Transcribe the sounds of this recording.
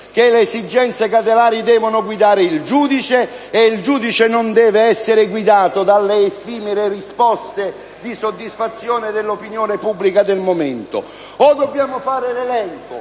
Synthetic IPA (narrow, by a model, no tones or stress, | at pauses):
k̟eleːsid͡ʒːɛnt̪sekat̪̬elaːɾjid̪ɛːvonʊɡwid̪aːɾɪild͡ʒuːd̪it͡ʃeːild͡ʒuːd̪it͡ʃenʊnd̪ɛːveɛsːeɾɪɡwid̪aːt̪od̪alːeːfiːmɪɾerispɔst̪e | d̪isod̪ːisfat̪sːjɔːned̪elːopinjoːnepubːlikad̪elmoment̪ʊ̰ | ɔd̪obːjaːmofaːɾɪlelɛŋkʊ̰